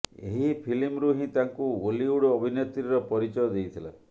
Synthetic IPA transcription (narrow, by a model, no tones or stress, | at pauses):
ḛɦipʰilimɾuɦĩt̪aŋkuoliuɽɔːbʱinet̪ɾiɾɔpɔɾit͡ʃɔjɔd̪ejt̪ʰila̰